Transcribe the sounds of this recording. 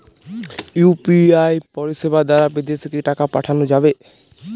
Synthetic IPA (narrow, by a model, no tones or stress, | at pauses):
jupiajpɔɾiʃebad̪aɾabid̪esikeʈakapaʈʰanod͡ʒabe